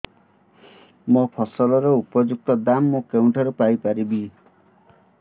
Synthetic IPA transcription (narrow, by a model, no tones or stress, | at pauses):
mɔpʰɔsɔlɔɾeupɔd͡ʒuk̚t̪ɔd̪amːokewɳʈʰɔɾupajpaɾibi